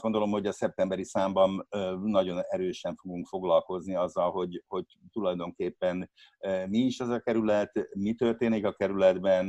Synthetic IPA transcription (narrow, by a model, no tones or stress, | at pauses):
ɡod̪o̞lo̞mho̞ɟɒsɛp̚t̪ɛmbɛɾisaːmbɒnnɒɟo̞nɛɾøːʃɛɱfo̞ɡuŋkfo̞ɡlɒlko̞zniɒzːɒlɦo̞ɟho̞ɟ̚ | t̪ulɒjd̪o̞ŋkeːpːɛnmiːʃɛzɒkɛɾylɛt̪mit̪ø̞rt̪eːnikɒkɛɾylɛd̪bɛn